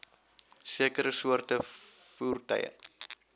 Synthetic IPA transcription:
siəkəɾəsuərtəfuːrtœ̰jə̰

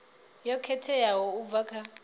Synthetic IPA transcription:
jɔkʰɛtʰɛjawɔuvakʰa

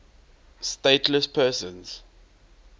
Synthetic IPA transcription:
steɪtʰləspʰɛːsə̃nz̥

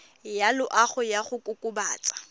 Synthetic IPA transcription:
jalʊʔaχʊjaχʊkʼʊkʼʊba̰ːt͡sʼḁ

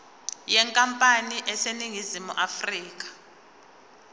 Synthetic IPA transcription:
jɛŋkʼampʼaniʔɛseniŋizimuʔafriːk̬ʼḁ

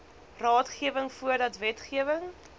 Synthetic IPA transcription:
rɑːtχiəvəŋfuərdɐtvɛtχiəvəŋ

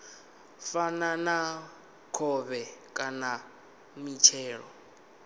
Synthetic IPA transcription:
fanana | kʰɔβɛkʼana | mit͡ʃʰɛːɺɔ

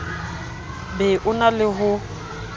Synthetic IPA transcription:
bɛʔʊnalɪɦʊ

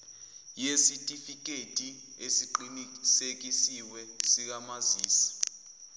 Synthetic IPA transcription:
jesitʼifik̬ʼetʼi | esiǃinisek̬isiwɛsik̬amaziːsḁ

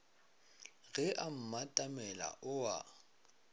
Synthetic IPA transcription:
ɣɛʔam̩matʼamɛla̰ʔʊwa̰

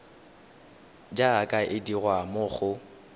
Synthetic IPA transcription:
d͡ʒaːkʼaʔɪdiɣwamʊχʊ

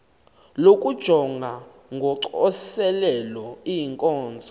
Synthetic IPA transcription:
lokʼud̥ʒ̥ʱɔŋɡʱa | ŋɡʱɔǀɔsɛlɛlɔijiŋkʼɔːnd͡zʱɔ

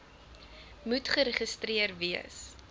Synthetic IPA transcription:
mutχəɾəχəstriərviəs

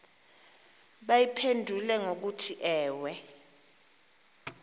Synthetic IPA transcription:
ɓajipʰendʱulɛŋok̬utʰiʔɛːwɛ

